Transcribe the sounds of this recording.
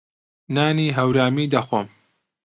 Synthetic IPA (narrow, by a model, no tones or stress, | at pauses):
naːniːɦɐwɾaːmiːd̪ɐxʷom